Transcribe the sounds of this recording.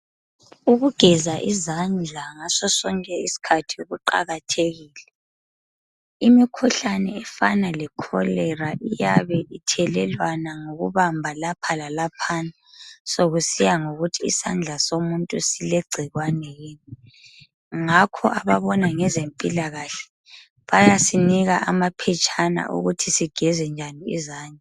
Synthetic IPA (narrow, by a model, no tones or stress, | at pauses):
uɣuɡ̥ʱɛzaʔizand͡ɮʱaŋasɔsɔŋkʼɛisi̥kʰatʰiuɣuǃa̰ɣatʰeɣiːlɛ | imikʰuɬanɛɛfanalɛkʰɔ̰lɛraʔija̰βɛʔitʰɛlɛlwanaŋoɣuβambʱalapʰalalapʰanasoɣusijaŋoɣutʰiːsand͡ɮʱasomuntʼusileɡ͡ǀʱiɣwanɛjiːni | ŋakʰɔʔaβaβɔnaŋɛzempʼilaɣaɬɛ̥ | βajasiniɣaʔamapʰɛt͡ʃʼʰana̰ʔṵɣutʰisiɡ̥ʱɛzɛnd͡ʒʱaniḭzaːɲɛ